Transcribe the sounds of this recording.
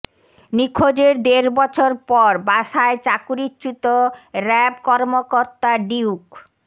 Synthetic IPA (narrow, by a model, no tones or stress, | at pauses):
nikʰːod͡ʑeɾd̪eɾbɔt͡ɕʰoɾpɔɾbaʃaet͡ɕakuɾitːt͡ɕut̪oɾɛbkɔɾmokoɾt̪aɖiuk